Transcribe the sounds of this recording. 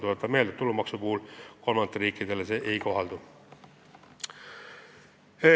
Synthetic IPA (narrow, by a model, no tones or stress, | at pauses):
t̪ulet̪ːˑɑmeld̪et̪ːulːumɑksupuhulko̞lmɑnt̪ːˑeɾiːkːid̪̥e̞lese̞ːʔejko̞ɦɑld̪u | e